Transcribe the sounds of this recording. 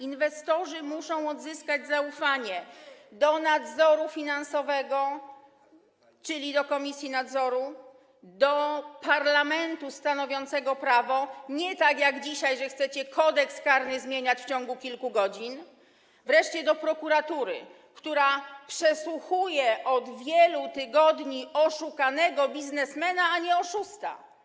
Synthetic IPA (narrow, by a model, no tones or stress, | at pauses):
invɛst̪ɔʐɘmuʂɔ̃w̃ɔd̪zɘskad͡ʑzaufaɲɛd̪ɔnad̪zɔɾufʲinansɔvɛɡɔ | t͡ʂɘlʲid̪ɔkɔmʲisʲjinad̪zɔɾu | d̪ɔpaɾlamɛnt̪ust̪anɔvʲjɔnt̪sɛɡɔpɾavɔɲɛt̪akjaɡd͡ʑiɕajʐɛxt̪sɛt͡ɕɛkʰɔd̪ɛkskaɾnɘzmʲjeɲat͡ɕft͡ɕɔŋɡukʲilkuɡɔd͡ʑin | vɾɛʂt͡ɕɛd̪ɔpɾɔkuɾat̪uɾɘ̰ | kt̪uɾapʂɛswuxujɛʔɔd̪vʲjɛlut̪ɘɡɔd̪ɲiɔʂukanɛɡɔbʲiznɛsmɛnaːɲɛɔʂust̪a̰